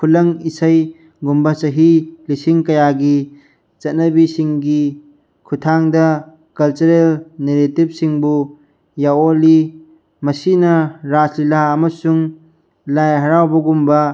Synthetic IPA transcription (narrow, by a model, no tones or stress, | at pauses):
pʰulɐŋisɐj | ɡumbɐsɐɦilisiŋkɐjaɡi | t͡ʃɐt̚nɐbisiŋɡi | kʰutʰaŋdɐ | kɐlt͡ʃuɾelneɾetib̚siŋbu | jawoli | mɐsinɐɾaslilaɐmɐsuŋ | lajɦɐɾawbɐɡumbɐ